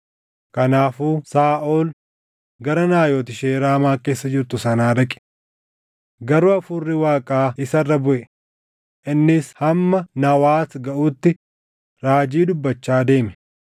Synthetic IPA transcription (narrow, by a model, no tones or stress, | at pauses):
kɐnaːfuːsaːʔoːl | ɡɐɾɐnaːjoːt̪ɪʃeːɾaːmaːke̞ːsːɐd͡ʒɪɾt̪ʊsɐnaːd̪ɐkʼɪ̥ | ɡɐɾʊɐfʊrːɪwaːkʼaːɪsɐrːɐbʊʔɛ | ʔɪnːɪshɐmːɐnɐwaːt̪ɡɐʔuːt̪ːɪ | ɾaːd͡ʒiːd̪ʊbːɐt͡ʃːaːd̪e̞ːmɛ̥